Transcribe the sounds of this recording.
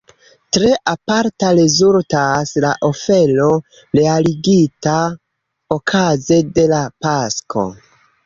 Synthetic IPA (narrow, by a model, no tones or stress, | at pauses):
tɾe̞ʔapaɾtaɾe̞zultaslaʔo̞fe̞lo̞ | ɾe̞aliɡita | okʰaze̞de̞lapaskʰo̞̰